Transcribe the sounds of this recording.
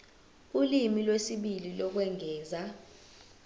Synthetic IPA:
ulimilwesiɓililɔk̬wɛŋʱɛːza

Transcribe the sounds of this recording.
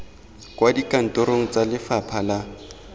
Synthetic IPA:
kwadikʼan̩tʼoɾoŋ̩t͡salɪfapʰala

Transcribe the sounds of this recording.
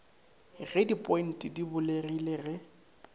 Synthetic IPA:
ɣedipʼɔin̩tʼɪdibʊlerilɪrɪ

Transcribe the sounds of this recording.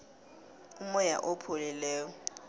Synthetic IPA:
ʊmɔja̰ʔopʰʊlɛlɛːɔ

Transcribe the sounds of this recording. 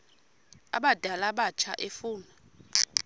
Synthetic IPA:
a̰ɓad̥ʱalaɓat͡ʃʰaʔefuːnɔ

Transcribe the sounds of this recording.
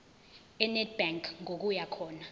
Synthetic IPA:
ɛnɛtb̥aŋkʰŋok̬ujakʰɔːna

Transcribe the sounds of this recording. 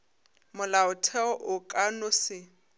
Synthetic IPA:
mʊlaʊtʰɛɔʔʊkʼanʊsɪ

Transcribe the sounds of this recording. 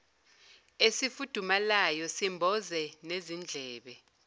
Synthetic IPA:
esifud̥ʱumalajɔsimbʱɔzɛnezind͡ɮʱɛːɓɛ

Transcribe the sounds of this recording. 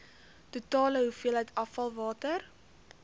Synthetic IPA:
tutɑːləɦufiəlɦɛjtɐfɐlˠvɑːtər

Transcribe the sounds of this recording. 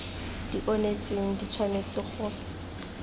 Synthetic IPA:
d̥iʔonet͡sʼeŋ̩dit͡sʰwanet͡sɪχʊ

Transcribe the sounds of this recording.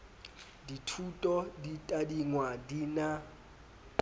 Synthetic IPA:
ditʰutʼɔditʼadiŋwadina

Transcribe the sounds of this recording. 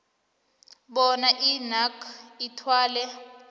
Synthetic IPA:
ɓɔnaʔinakʰitʰwaːlɛ

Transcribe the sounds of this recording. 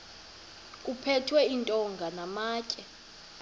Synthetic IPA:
kʼupʰɛtʰwɛintʼɔŋɡʱanamaːcʼɛ

